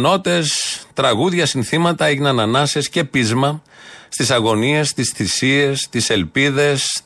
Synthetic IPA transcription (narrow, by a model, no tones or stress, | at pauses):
no̞t̪e̞st̪ɾɐɣuðʝɐsinθimɐt̪ɐeʝinɐnɐnɐsesce̞pizmɐ | st̪isɐɣo̞nie̞st̪isθisie̞st̪ise̞lpiðe̞s